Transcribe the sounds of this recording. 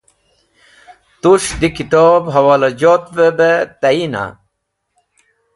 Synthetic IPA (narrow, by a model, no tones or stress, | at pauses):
t̪uʂd̪ikit̪obɦɐwaːlɐd͡ʑoːt̪vebet̪ɐina̰